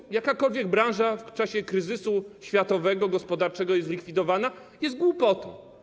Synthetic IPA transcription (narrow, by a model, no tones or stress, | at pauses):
jakakɔlvʲjɛɡ̚bɾãw̃ʐaft͡ʂaɕɛkɾɘzɘsuɕfʲjat̪ɔvɛɡɔɡɔspɔd̪aɾt͡ʂɛɡɔjɛzlʲikfʲid̪ɔvana | jɛst̪̚ɡwupɔt̪ɔ̃